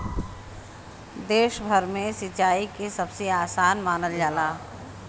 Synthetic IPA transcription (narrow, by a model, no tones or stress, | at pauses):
d̪eːʃbʱəɾmẽsɪt͡ʃaːikesɐbseaːsaːnmaːnəld͡ʒaːlaː